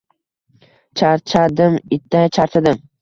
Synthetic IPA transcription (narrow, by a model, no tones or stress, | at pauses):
t͡ʃʰaɾt͡ʃʰad̪ɪmɪt̪ʰːat͡ʃʰaɾt̪ʰad̪ɪm